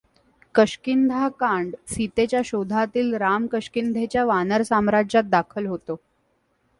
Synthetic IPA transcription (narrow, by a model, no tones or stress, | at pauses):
kəɕkind̪ʱakaɳɖsit̪et͡ɕjaɕod̪ʱat̪iːlɾamkəɕkind̪ʱet͡ɕjaʋanəɾsamɾad͡ʑat̪̚d̪akʰəlɦot̪o